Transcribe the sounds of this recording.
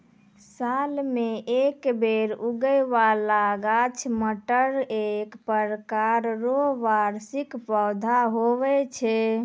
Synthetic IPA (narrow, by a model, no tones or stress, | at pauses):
salmeʔekbeɾuɡəjʋalaɡat͡ʃʰməʈəɾekpəɾkaɾɾoɦʋaɾsikpɔd̪ʱaɦoʋɛt͡ʃʰɛ